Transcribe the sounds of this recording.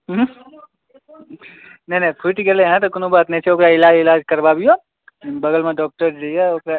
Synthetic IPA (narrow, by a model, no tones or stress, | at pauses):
ɦ | nenepʰɪʈɡelẽɦɛ̃t̪okʊnõbaːt̪nẽt͡ʃʰeoːkɾaɪlaːd͡ʒɪlaːd͡ʒkɐɾbabijo | bɐɡəlmẽɖɔːk̚ʈəɾɽijaokɾa